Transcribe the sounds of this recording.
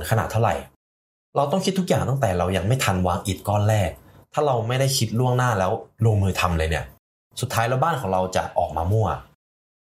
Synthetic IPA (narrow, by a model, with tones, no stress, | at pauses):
nkʰa˧na̰˨˩t̪ʰːa˥˩wɾa̰˨˩j | ɾa˧wt̪ɔ˥˩ŋkʰi˦˥t̪ʰːu˥kjaː˨˩ŋt̪ɔ˥˩t̪ɛː˨˩ɾa˧wja˧ŋma˥˩jt̪ʰa˧nwaː˧ŋʔi˨˩t̪̚kɔː˥˩nlɛː˥˩k̚t̪ʰaː˥˩ɾa˧wma˥˩jda˥˩jkʰi˦˥t̪̚lu˥˩əŋnaː˥˩lɛː˦˥wloː˧ŋmɯː˧t̪ʰa˧mlɤː˧jni˦˥˩ɐ | su˨˩t̪ʰːaː˦˥jlɛː˦˥wbaː˥˩nkʰɔː˩˦ŋɾa˧wt͡ɕa̰˨˩ʔɔ̰ː˨˩k̚maː˧mu˥˩ɐ